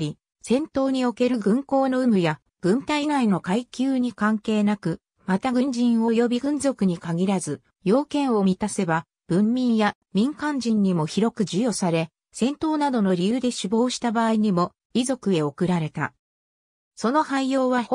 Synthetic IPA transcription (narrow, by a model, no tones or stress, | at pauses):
ɾʲi | sẽ̞nt̪o̞ːɲ̟io̞ke̞ɾɯ̟ɡɯ̟̃ŋko̞ːno̞ɯ̟mɯ̟ja | ɡ̥ɯ̟̃nt̪ainaino̞kaikʲɨːɲ̟ikãŋke̞ːnakɯ̟ | mat̪aɡɯ̟̃ɲ̟d͡ʑĩɰ̃o̞jo̞bʲiɡɯ̟̃nzo̞kɯ̟ɲ̟ikaɡʲiɾazɨ | jo̞ːkẽ̞ɰ̃o̞mʲit̪ase̞ba | b̥ɯ̟̃mːʲĩɰja | mʲĩŋkãɲ̟d͡ʑĩɲ̟ːimo̞çiɾo̞kɯ̟d͡ʑɨjo̞saɾe̞ | sẽ̞nt̪o̞ːnad̪o̞no̞ɾʲijɯːd̪e̞ɕibo̞ːɕi̥t̪abaːiɲ̟imo̞ | izo̞kɯ̟e̞o̞kɯ̟ɾaɾe̞t̪a̰ | so̞no̞haijo̞ːβa